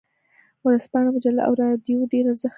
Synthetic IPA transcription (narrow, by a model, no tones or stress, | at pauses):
wʊɾəspɑɽamʊd͡ʒalːa̰ʔa̰wɾɑd̪joɖeɾaɾzəx